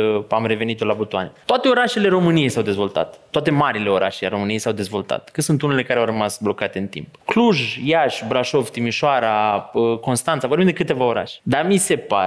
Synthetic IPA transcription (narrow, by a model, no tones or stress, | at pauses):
əamre̞ve̞nit̪olabut̪uanet̪oat̪e̞o̞ɾaʃe̞le̞ɾo̞mɨnije̞jsawd̪e̞zvo̞lt̪a̰t̪ːoat̪e̞maɾile̞o̞ɾʔa̰ʃeaɾo̞mɨnijejsawd̪e̞zvo̞lt̪a̰t̪kɨt̪sunt̪unele̞kaɾeawrəmasblo̞kat̪e̞ɨnt̪ḭmpkluʒjaʃbɾaʃo̞vt̪imiʃoaɾaəko̞nst̪ant̪savobimd̪e̞kɨt̪e̞vao̞ɾa̰ʃe̥d̪amise̞pa̰